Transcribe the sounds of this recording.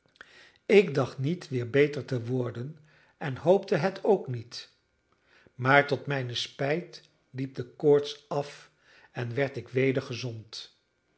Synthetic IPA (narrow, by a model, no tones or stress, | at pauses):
ɪkdɑχtnitʋɪːɹbejtəɹtəʋʊɹdən | ɛnɦowp̚təɦɛtʰowknit | maːɹtɔtmɛjnəspɛjt | lip̚dəkʊːɹtsɑf | ɛnʋɛɹtɪkʋejdəɹχəzɔnt